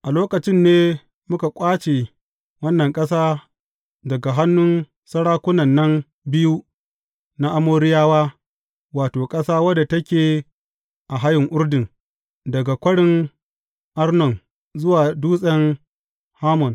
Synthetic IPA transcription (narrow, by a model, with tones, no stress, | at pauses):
ʔa˨loː˦kɐ˨t͡ʃɪ˦nːeː˦ | mʊ˦ka˨kʷʼaː˦t͡ʃe˨ | wɐ˦nːɐ˨ŋkʼɐ˦saː˦ | dɐ˨ɡa˨ɦa˦nːʊ˦n | sɐ˦ɽaː˦kʷʊ˦nɐ˨nːɐ˦n | bɪ˦ju˦ | na˦ʔa˦moː˦ɽɪ˦jaː˦waː˦ | waː˨toː˨kʼɐ˦saː˦wɐ˦da˨tɐ˦kʲeː˨ | ʔa˨ɦa˦jɪ˨ŋʔʊ˦rdɪ˨n | dɐ˨ɡa˨kʷɐ˦ɽɪ˦ŋ | ʔa˦rnɔ˨n | zʊ˦waː˨duː˦sʼɛ˦ŋ | haː˦mɔ˨n